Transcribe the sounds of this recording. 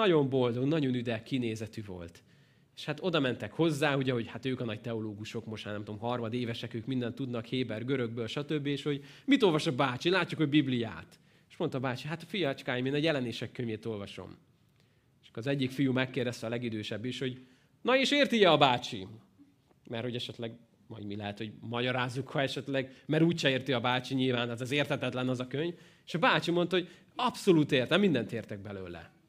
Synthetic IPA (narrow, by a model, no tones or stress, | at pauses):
ɒɟo̞mbo̞ld̪o̞ɡnɒɟo̞nyd̪ɛkːineːzɛt̪yvo̞̰lt̪ | e̥ʃhat̪o̞d̪ɒmɛnt̪ɛkho̞zːaːɦuɟɛɦo̞ɟhat̪øːkɒnɒc̚t̪ɛoloːɡuʃo̞kmoʃtmaːnɛmt̪omɦɒrmɒd̪eːvɛʃɛkøːkmind̪ɛnt̪ːud̪nɒkheːbɛrɡøɾøɡ̚bøːlʃɒt̪øbːieːʃho̞ɟmit̪o̞lvɒʃɒbaːt͡ʃilaːcːukho̞ɟbiblija̰ːt̪ | e̥ʃmo̞nt̪ɒbaːt͡ʃiɦat̪ɒfijɒɛt͡ʃkaːjimeːnɒjɛlɛneːʃɛkːøɲjeːt̪o̞lvɒʃo̞̰m | ʃkːoɾɒzɛɟːikfijumɛkːeːrd̪ɛst̪ɛɒlɛɡid̪øːʃɛbːiʃho̞ɟ | nɒeːʃeːrt̪ijɛɒbaːt͡ʃḭ | mɛrho̞ɟɛʃɛt̪lɛɡ | mɒ̰ɟmilɛɦɛt̪ho̞ɟmɒɟɒɾaːzːukhɒɛʃɛt̪lɛɡmɛɾuːcʃɛeːrt̪iɒbaːt͡ʃiɲilvaːnt̪aːt̪ɛzeːrt̪hɛt̪ɛt̪lɛnɒzɒkøɲv | eːʃɒbaːt͡ʃimo̞nt̪ɒhoɟ | ɒpso̞luːt̪eːrt̪ɛmind̪ɛnt̪eːrt̪ɛɡ̚bɛløːlɛ̰